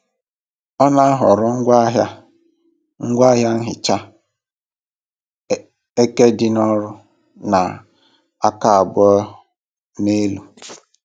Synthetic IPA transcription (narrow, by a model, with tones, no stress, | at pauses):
ɔ˦na˦a˦ɦʊ˨ɾʊ˦ŋ̩˦ɡʷa˦ɦa˦ | ŋ̩˦ɡʷa˦ɦja˦n̩˦ɦɪ˨t͡ʃa˦ | e˦ke˦dɪ˦nɔ˦ɾʊ˦ | na˨ | a˦ka˦a˨bʊ˦ɔ˦ | ne˦lu˨